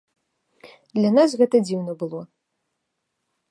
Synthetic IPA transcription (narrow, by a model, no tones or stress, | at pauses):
d̪lʲɐnasɣɛt̪ɐd͡zʲiwnɐbɨlˠɔ